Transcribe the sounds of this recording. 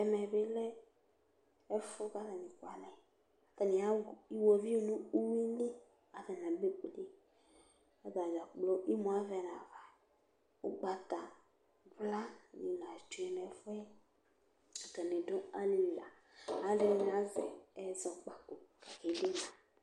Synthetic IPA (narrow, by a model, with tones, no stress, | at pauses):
ɛ˨mɛ˨be˦lɛ˦ | ɛ˦fo˦ka˦vɛ˨nĩ˨kwa˨nɛ˨ | kɛ˨nĩ˨a˦˨i˦wo˨vi˦o˨nũ˦u˦wi˦ni˦ | a˨vɛ˨nã˨be˦k͡ple˦ | ɛ˦ba˨d͡ʒa˨k͡plo˦ʔi˦mũ˨a˦vɛ˨nã˨va˨ | o˦ɡ͡ba˨t̪a˨ | vla˦nĩ˨nã˨d͡ʒu˨˦ɛ˨˦nɛ˨˦fo˦ɛ˦ | a˨kɛ˨nẽ˨dõ˦a˦li˨la˨ | a˨˦ɖɛ˦nĩ˨n˨ã˨˦zɛ̰˨ɛ˨zɔ˨k͡pa˨ko˨a˨ke˨˦de˦nã˨